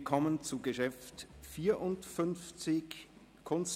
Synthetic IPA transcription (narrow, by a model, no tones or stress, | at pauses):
kʰɔmənt͡suɡəʃɛftfiːɐʔʊntfʏnft͡sɪç | kʰʊns